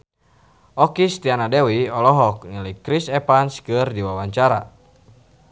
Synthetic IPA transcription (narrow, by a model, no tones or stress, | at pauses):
ʔɔkist̪ianadɛwiɔlɔɦɔk̚niləjkɾisɛpanskɨrdiwawaɲt͡ʃaɾa̰